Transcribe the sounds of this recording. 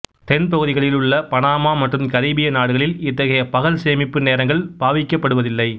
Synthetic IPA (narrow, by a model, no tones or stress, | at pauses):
t̪ɛnpɐɣɯðɪɣɐɭɪlɯɭːɐpɐɳaːmaːmɐʈrɯmkɐɾiːbɪjɐnaːɽɯɣɐɭɪlɪt̪ːɐɣɐjɐpɐɣɐlseːmɪpːɯneːɾɐŋɡɐɭb̥aːʋɪkːɐpːɐɽɯʋɐðɪlːɐɪ